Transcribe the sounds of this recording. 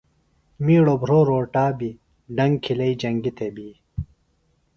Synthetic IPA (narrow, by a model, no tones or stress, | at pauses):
miːɽobʱɾoːɾoːʈaːbi | ɖɐŋɡkʰilɐid͡ʑɐŋɡit̪ʰebiː